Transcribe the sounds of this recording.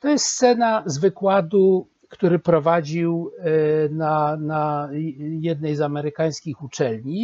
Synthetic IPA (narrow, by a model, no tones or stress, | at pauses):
t̪ɔjɛst̪st̪sɛnazvɘkwad̪u | kt̪uɾɘpɾɔvad͡ʑiw | nana | jɛd̪nɛjzamɛɾɘkaj̃skʲixut͡ʂɛlɲi